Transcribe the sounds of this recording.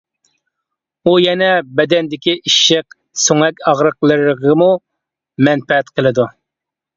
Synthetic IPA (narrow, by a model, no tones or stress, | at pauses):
ujɛnɛbɛd̪ɛnd̪ɪkʲiʔiʃəq | soŋɛkʲɑʁɾəqlˠəɾʁəmu | mɛnpɛɦɛt̪qʰəlˠɨd̪u